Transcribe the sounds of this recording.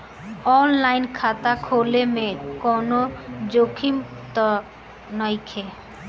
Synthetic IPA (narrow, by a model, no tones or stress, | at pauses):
ɔnlajnkʰat̪akʰolemekɔnod͡ʒokʰimt̪ɔ | nɔjkʰe